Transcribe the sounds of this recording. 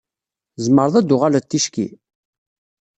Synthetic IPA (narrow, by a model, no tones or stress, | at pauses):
zəmːəɾðˤæd̪ːʊʁalæt̪ːiʃkḭ